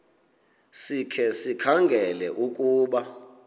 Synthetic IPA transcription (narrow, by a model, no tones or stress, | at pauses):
sikʰɛsikʰaŋɡʱɛlɛ̰ʔukʼuːɓa